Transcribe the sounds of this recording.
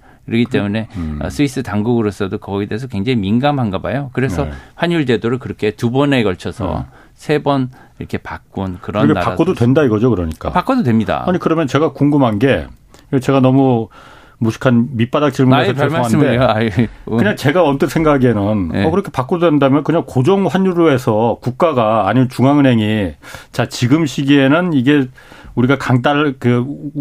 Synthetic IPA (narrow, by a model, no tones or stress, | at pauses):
kɯɾʌɡit͈e̞mune̞ʌ̰s͈ʰuis͈ɯtaŋɡuɡɯɾos͈ʌdokʌɡideːs̬ʰʌkwe̞ŋd͡ʑaŋiminɡamɦanɡʌba̰jokɯɾe̞sʰʌɸwaɲuɭd͡ʑe̞doɾɯɭkɯɾʌkʰe̞tubʌne̞ɡʌɭt͡ɕʰʌsʰʌ̰ | sʰe̞bʌn | iɾʌkʰe̞pa̰k̚k͈unkɯɾʌnnkʰeːaaaododwe̞ndaiɡʌd͡ʑokɯɾʌɲikk͈a̰pak͈ododwe̞mɲida̰aɲikɯɾʌmjʌnt͡ɕe̞ɡakuŋɡumɦanɡe̞ | et͡ɕe̞ɡanʌmu | muɕʰi̥kʰanmip͈adak̚t͡ɕ͈ʰiɭmuesʰʌaoande | kɯɲaŋt͡ɕe̞ɡaʌnt͈ɯnsʰeŋɡaɡe̞nɯnʌkɯɾʌkʰe̞pak͈ododwendamjʌnkɯɲaŋkod͡ʑʌŋɸwaɲuɾoe̞sʰʌkuk̚k͈aɡaːɲimjent͡ɕuŋaŋɯnɦe̞ŋit͡ɕat͡ɕiɡɯmɕʰiɡie̞nɯniɡe̞ | uɾiɡakaŋt͈aɭkɯ